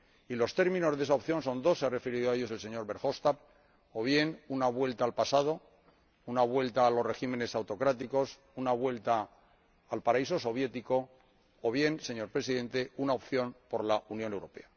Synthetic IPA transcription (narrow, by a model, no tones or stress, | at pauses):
ilo̞st̪e̞ɾmĩno̞zðe̞saopθjo̞nso̞nd̪o̞sːeare̞feɾiðoaeʝo̞se̞lse̞ɲo̞ɾβe̞ɾxost̪ap | oβ̞je̞nunaβwe̞lt̪aːlpasað̞o̞ | unaβwe̞lt̪aːlo̞sre̞ximẽ̞ne̞sawt̪o̞kɾat̪iko̞s | unaβwe̞lt̪aː | lpaɾaiso̞so̞β̞je̞t̪iko̞ː | β̞je̞nse̞ɲo̞ɾpɾe̞siðẽ̞nt̪e̞unaop̚θjo̞npo̞ɾlaʔunjone̞wɾo̞pe̞̰a